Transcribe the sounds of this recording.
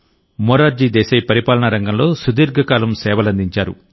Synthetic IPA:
mɔːɾaːɾd͡ʒiːd̪ɛːsɐjpɐɾipaːlɐɳɐɾɐŋɡɐmlo̞ːsud̪iːɾɡʱɐkaːlɐmsɛːʋɐlɐnd̪iɲt͡ʃaːɾṵ

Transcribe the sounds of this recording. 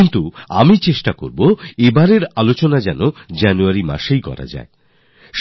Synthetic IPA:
int̪ua̰mit͡ɕeʃʈako̰ɾboebaɾeɾalot͡ɕonad͡ʑɛnod͡ʑanuaɾima̰ʃejkɔ̰ɾa̰d͡ʑa̰e | ʃ

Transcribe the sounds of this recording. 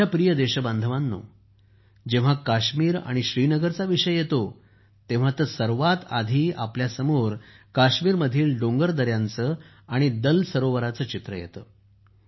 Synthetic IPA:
apɾijəd̪eɕəband̪ʱəʋãnːo̰ | d͡ʑẽʋ̤akaɕmiːɾa̰ɽ̃iɕɾiːnəɡəɾt͡saʋiɕəjjet̪o | t̪ẽʋ̤at̪əsəɾʋat̪ad̪ʱiːapljasəmoɾkaɕmiːɾməd̪ʱiːlɖoŋɡəɾd̪əɾjant͡səː | aɽ̃id̪əlsəɾoʋəɾat͡səːt͡ɕit̪ɾəjḛt̪əː

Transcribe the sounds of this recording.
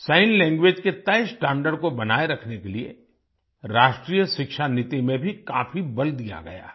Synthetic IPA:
saːɪnlɛ̃ːŋɡwʋeːd͡ʒket̪ɐjsʈɛ̃ːɳɖəɾɖkobɐnaːeɾɐkʰnekeliḛ | ɾaːʃʈɾiːjəʃɪkʃanɪt̪imẽbʱikaːfibɐld̪ija̰ɡɐ̰ja̰ː

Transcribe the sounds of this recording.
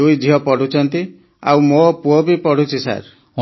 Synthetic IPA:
ujd͡ʒiɦɔpɔɽ̤ʱut͡ʃʰɔnt̪i | a̰wmopuɔbipɔɽ̤ʱut͡ʃisa̰ɾ

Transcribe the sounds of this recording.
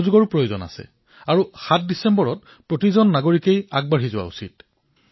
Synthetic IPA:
zuɡɔɹupɹojozɔna̰sɛ̰ | aɹuxat̚disɛmbɔɹɔt̚ | pɹotizɔnːaɡoɹikejaɡ̚baɹizʊwa̰ṵsit̚

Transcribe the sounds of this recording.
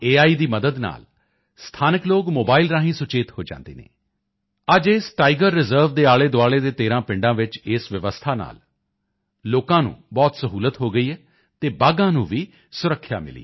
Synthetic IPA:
eːaːiːd̪iːməd̪əd̪na̰ːl | st̪ʰaːnəkloːɡmoːbaːilɾaːɦĩːsʊt͡ʃeːt̪hoːd͡ʒã̰ːnd̪ḛːnḛː | əd͡ʒesʈaːɪɡəɾːɪzəːɾʋd̪eːaːɭeːd̪ʊaːɭeːd̪eːt̪eːɾãːpɪɳɖãːʋɪt͡ʃɪːsʋɪʋəst̪ʰaːna̰ːl | loːkãːnṵ̃ːbɔːt̪səɦuːlət̪ɦoːɡəiːɦɛː | t̪eːbaːɡãːnũːʋiː | sʊɾəkʰːja̰ːmɪ̰lḭː

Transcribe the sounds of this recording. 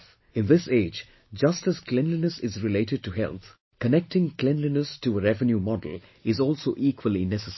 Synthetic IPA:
ɪ̃nðɪseːd͡ʒ | d͡ʒʌstəz̥klɛ̃nlinəsɪzɾɪleɪʈɨd̚ʈuɦɛ̰lˠt̪ | kənɛk̚ʈɪ̃ŋklɛ̃nlinəstʰuəɾɛvə̃njumɔdəl̩ˠɪzɔːlˠsoːʔiːkʰwəlinɛsəs

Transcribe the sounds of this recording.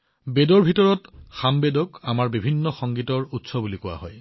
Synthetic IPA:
bedɔɹbʱitɔɹɔtxambedɔkamaɹbibʱinːɔxɔŋɡitɔɹutsɔbulikʊwa̰ɦɔj

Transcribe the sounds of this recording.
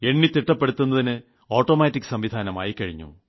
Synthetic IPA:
e̞ɳːit̪iʈːɐpːe̞ɽut̪ːunːɐðinɨ | oːʈːoːmaːtːikːɨ̥sɐmʋid̪ʱaːnɐma̰ːjikɐɻiɲːṵ

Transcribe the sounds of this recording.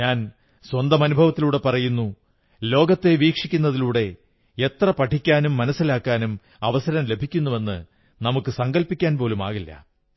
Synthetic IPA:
ɲaːn | swɐnd̪ɐmɐnubʱɐʋɐt̪ːiluːɽe̞pɐrɐjunːu | lo̞ːɡɐt̪ːe̞ʋiːkʂikʲːunːɐðiluːɽe̞ | et̪rɐpɐʈʰikʲːaːnumːɐnɐsːilaːkːaːnum | ɐʋɐsɐɾɐmle̞bʱikʲːunːuʋe̞nːɨ | nɐmukːɨsɐŋɡɐlpikʲːaːnpo̞ːluma̰ːɣilːɐ̰

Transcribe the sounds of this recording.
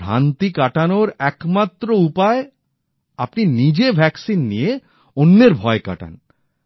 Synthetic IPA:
a̰nt̪ikaʈanoɾɛkmat̪ːɾoupae | apninid͡ʑebʱɛksinːije | onːeɾbʱɔeka̰ʈa̰n

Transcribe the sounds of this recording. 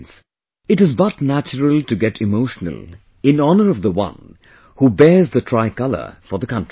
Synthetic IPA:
ns | ɨɾɨzbʌtnæt͡ʃəɹəlˠtɨɡɛɾʰɪmoʊʃnə̰lˠ | ɪ̃nɔnə˞ʌvðəwʌ̰̃n | hubɛɹzðətʰɹ̥aɪkʌlə̰˞fə˞ðəkʌ̃nti

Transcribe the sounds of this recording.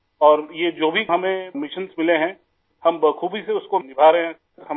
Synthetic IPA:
ɔːɾjeːd͡ʒoːbʱiɦɐmẽmɪʃənsmɪleɦɛ̃ | hɐmbəkʰuːbʱiseʊskonɪbʱaːɾeɦɛ̃ | ɦɐ

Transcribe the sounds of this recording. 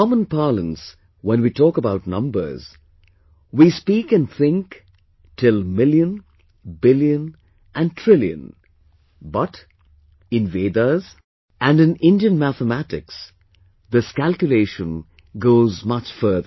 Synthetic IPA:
ɔmə̃npalə̰̃ns | wɛ̃nwitʰɔːkəbaʊtnʌ̃mbə̰˞z̥ | wispiːkɨ̃nθɪ̃ŋk | tʰɪlˠmɪljə̃n | bɪljə̃n | ʔæ̃ntʰɹ̥ɪljɨ̰̃n | bʌt | ɪ̃nveːd̪əz | ʔæ̃nɨ̃nɪ̃ndiɨ̃nmæθəmætɪks | ðəskælˠkjʊleɪʃə̃n | ɡoːzmʌt͡ʃfɜ˞ðə

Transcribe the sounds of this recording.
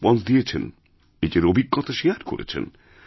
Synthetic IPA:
bɔnd̪ijet͡ɕʰen | ed͡ʑeɾobʱiɡːɔt̪ʰaʃiaɾko̰ɾḛt͡ɕʰḛn

